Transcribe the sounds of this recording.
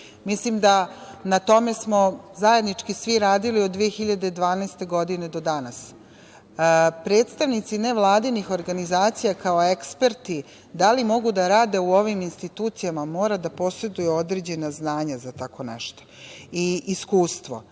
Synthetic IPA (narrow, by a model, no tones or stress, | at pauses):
mislimd̪a | nat̪o̞me̞smo̞zaje̞d̪nit͡ʂkisʋiɾaːd̪iliod̪ːʋijexiʎad̪ed̪ʋaːnaest̪e̞ɡo̞d̪ine̞d̪o̞d̪anas | pɾeːt̪st̪aʋnit̪sine̞ʋlˠaːd̪inixo̞ɾɡanizaːt̪sijakao̞e̞kspe̞ɾt̪i | d̪alimo̞ɡud̪aɾaːd̪e̞uo̞ʋiminst̪it̪uːt̪sijamamo̞ːɾad̪apo̞sɾe̞d̪ujuo̞d̪ɾeːd͡ʑe̞naznaːɲazat̪ako̞nɛ̰ʃt̪o̥iːskuːst̪ʋo̞̰